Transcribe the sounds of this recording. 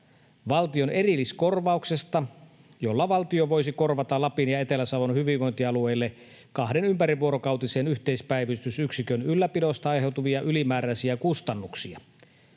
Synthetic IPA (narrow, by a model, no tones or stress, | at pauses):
ʋɑlt̪io̞ne̞rilːisko̞rʋɑukse̞st̪ɑ | jo̞lːɑʋɑlt̪ioʋo̞jsiko̞rʋɑt̪ɑlɑpinjɑe̞t̪e̞læsɑʋonhyʋiʋʋˑo̞jnt̪iɑlue̞jlːe | kɑhde̞nympæɾiʋuoɾokɑwt̪ise̞ːnyht̪eispæiʋist̪ysyksikønylːæpido̞st̪ɑɑjɦe̞wt̪uʋiɑʔylimæːɾæisiækust̪ɑnːuksiɑ̰